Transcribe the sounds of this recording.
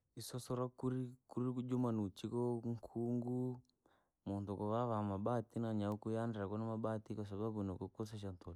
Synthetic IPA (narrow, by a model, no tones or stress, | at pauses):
isɔsɔɾakuɾikuɾiud͡ʒumanut͡ʃikɔŋkʰuŋɡu | mɔnt̪ɔkɔβaβamaɓat̪inaɲaukujandɾakɔnamaɓat̪ikas̬ababunɔkɔkɔs̬aʃ̬ant̪ol